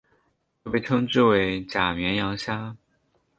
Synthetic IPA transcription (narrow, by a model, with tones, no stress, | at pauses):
o˥˩pe˥˩ɪʈ͡ʂʰɤ˥ŋʈ͡ʂɻ̩˥˩we˧˥ɪt͡ɕja˨˩mjɛ˧˥njɑ˧˥ŋɕja˥